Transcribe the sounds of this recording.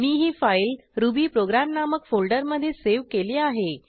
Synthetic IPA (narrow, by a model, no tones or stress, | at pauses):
miːɦiːfailɾubiːpɾoɡɾamnaməkfolɖəɾməd̪ʱːjeseʋkeleaɦe